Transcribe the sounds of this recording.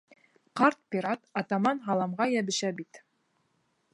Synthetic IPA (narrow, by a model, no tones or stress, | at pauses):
qɑɾt̪̚pʲiɾɑt̪ɑt̪ɑmɑnɦɑlˠɑmʁɑjæβɘ̆ʃæbit̪